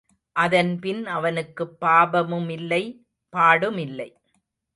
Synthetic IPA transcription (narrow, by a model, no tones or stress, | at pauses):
ʔɐðɐnpɪnɐʋɐnɯkːɯpːaːbɐmɯmɪlːɐɪ | paːɽɯmɪlːɐɪ